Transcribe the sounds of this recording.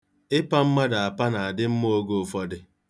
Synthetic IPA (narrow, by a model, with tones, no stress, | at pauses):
ɪ˦pa˦m̩˦ma˦da˨a˨pa˦na˨a˨dɪ˦m̩˦m˦o˦ɡo˨fɔ˦dɪ˨